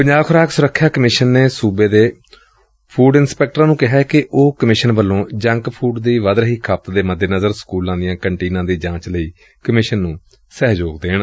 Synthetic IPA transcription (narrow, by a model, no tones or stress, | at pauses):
pəɲd͡ʒaːʋkʰʊɾaːksʊɾəkʰːjaːkəmɪʃənːeːsuːbeːd̪eː | pʰuːɖɪnspɛːk̚ʈɾãːnũːkɪɦɛːkɪʔoːkəmɪʃənbəlːõːd͡ʒə̃ŋkpʰuːɖd̪iːʋəd̪ɾəɦiːkʰəp̚t̪d̪eːməd̪ːeːnəzəɾskuːlãːd̪ɪjãːkəɳʈiːnãːd̪iːd͡ʒãːt͡ʃləiː | kəmɪʃənːũː | sɛːɦd͡ʒoːɡd̪eːɳ